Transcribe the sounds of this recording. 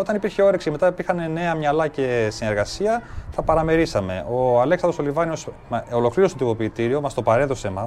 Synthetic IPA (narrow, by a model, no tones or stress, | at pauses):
o̞t̪ɐnipiɾçe̞o̞ɾeksime̞t̪ɐipiɾxɐne̞ne̞ɐmɲɐlɐce̞sine̞ɾɣɐsiɐθɐpɐɾɐme̞ɾisɐme̞̰ʔo̞ɐleksɐnðoolivɐnio̞s | molo̞kliɾost̪ot̪imo̞piːt̪iɾio̞mɐst̪opɐɾe̞t̪osemɐ